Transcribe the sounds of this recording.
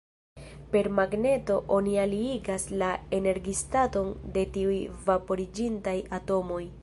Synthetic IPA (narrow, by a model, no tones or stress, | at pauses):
pe̞ɾmaɡne̞to̞ʔo̞nialiiɡaslae̞ne̞ɾɡistato̞nde̞tiujvapo̞ɾid͡ʒintajato̞mo̞j